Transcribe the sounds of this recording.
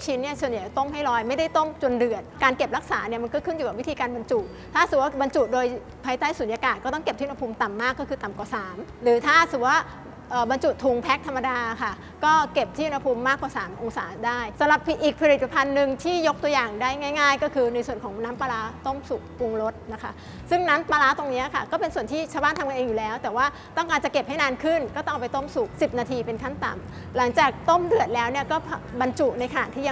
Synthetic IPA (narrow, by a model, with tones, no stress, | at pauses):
t͡ɕʰi˦˥nːi˥˩əsu˨˩ənja˨˩t͡ɕt̪o˥˩mha˥˩jlɔː˧jma˥˩jda˥˩jt̪o˥˩mt͡ɕo˧ndɯ˨˩ət̪̚kaː˧nke˨˩p̚ɾa˦˥k̚saː˩˦ni˥˩ɐma˧nkɔː˥˩kʰɯ˥˩nju˨˩ka˨˩pwi˦˥t̪ʰiː˧kaː˧nba˧nt͡ɕu˨˩t̪̚t̪ʰːaː˥˩sɯ˨˩waː˥˩ba˧nt͡ɕu˨˩t̪̚doː˧j | pʰaː˧˦jt̪aː˥˩jsuː˩˦njaː˧kaː˨˩t̪̚kɔː˥˩t̪ɔ˥˩ŋke˨˩p̚t̪ʰiː˥˩˧na˧pʰuː˧mt̪a˨˩mːaː˥˩kːɔ˥˩kɯː˧t̪a˨˩mkwaː˨˩saː˩˦mɾɯː˩˦t̪ʰaː˥˩sɯ˨˩waː˥˩ | ʔəː˨˩ba˧nt͡ɕu˨˩t̪ʰu˧ŋpʰɛ˦˥k̚t̪ʰa˧mːa˧daː˧kʰa˥˩ | kɔː˥˩ke˨˩p̚t̪ʰiː˥˩˨u˧nʰa˧pʰuː˧mːaː˥˩kwaː˨˩saː˩˦mʔo˧ŋsaː˩˦daː˥˩jsa˨˦mɾa˨˩pːʔiː˨˩k̚pʰa˧ɾi˨˩t̪̚pa˧pʰa˧nːɯ˨˧ŋt̪ʰiː˥˩jo˦˥k̚t̪u˧jaː˨˩ŋdaː˥˩jŋaː˥˩jŋaː˥˩jkɔː˥˩kʰɯː˧na˧jsu˨˩ənkʰɔː˩˦ŋnaː˦˥mpaː˧laː˦˥t̪o˥˩msu˨˩k̚ku˧ŋɾo˦˥t̪̚na˦˥kʰa˦˥ | sɯ˥˩ŋnaː˦˥mpaː˧laː˦˥t̪o˧ŋni˦˥ɐkʰa̰˥˩kɔː˥˩pe˧nsu˨˩ənt̪ʰiː˥˩t͡ɕʰaː˧wbaː˥˩nʰa˧mka˧neː˧ŋjuː˨˩lɛː˦˥wt̪ɛː˨˩waː˥˩ | t̪ɔ˥˩ŋkaː˧nt͡ɕa˨˩ke˨˩p̚ha˥˩jnaː˧nkʰɯ˥˩nkɔː˥˩t̪ɔ˥˩ʔpa˧jt̪o˥˩msu˨˩k̚si˨˩p̚naː˧t̪ʰiː˧pe˧nkʰa˥˩nt̪a̰˨˩m | la˩˦ŋt͡ɕaː˨˩k̚t̪o˥˩mdɯ˨˩ət̪̚lɛː˦˥wni˥˩ɐkɔː˥˩pʰa˧ba˧nt͡ɕu˨˩ʔna˧jkʰa˧na̰˨˩t̪ʰiː˥˩˧